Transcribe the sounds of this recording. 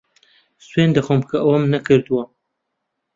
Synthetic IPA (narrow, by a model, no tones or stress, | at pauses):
swend̪ɐxomkʰɐʔɐwɐmnɐkʰɨɾd̪ɨwɐ